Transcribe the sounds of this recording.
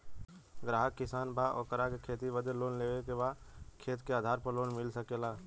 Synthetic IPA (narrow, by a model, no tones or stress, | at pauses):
ɡɾaːɦəkːɪsaːnbʱaʔɔ̰ːkəɾakekʰeːt̪iʋəd̪eloːnleːʋekebakʰeːt̪keaːd̪ʱaːɾpəɾloːnmɪlsəkelaː